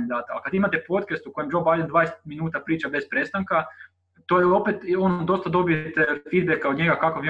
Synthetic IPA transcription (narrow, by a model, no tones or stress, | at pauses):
nid̪aːt̪aa̰lkad̪ʋimat̪e̞po̞t̪kest̪uko̞jemd͡ʒo̞bajd̪end̪ʋaːeset̪minuːt̪apɾiːt͡ʃabe̞spɾe̞st̪aŋka | t̪ojeo̞pet̪ond̪o̞st̪ad̪o̞bijet̪efiːd̪̚bekaod̪ɲe̞ɡakakoʋi